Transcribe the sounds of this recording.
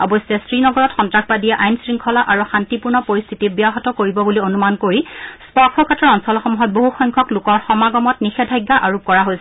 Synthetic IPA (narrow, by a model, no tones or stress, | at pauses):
ɔbɔsɛsɹinɔɡɔɹɔtxɔntɹaxʰbadiɛʔajnsɹiŋkʰɔlaʔaɹuxantipuɹnɔpoɹist̪ʰitibijaɦɔtɔkoɹibɔbulionumankoɹispɔɹkʰɔkatʰɔɹɔnsɔlɔxɔmuɦɔt̚boɦuxɔjŋkʰɔklʊkɔɹxɔmaɡɔmɔtnixɛdʱajɡːaʔaɹup̚kɔɹaɦojsɛ